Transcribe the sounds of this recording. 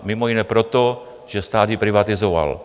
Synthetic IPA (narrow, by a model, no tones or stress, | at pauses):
mimɔinɛpɾɔt̪ɔ | ʒɛst̪aːd̪jipɾiʋat̪izɔʋa̰l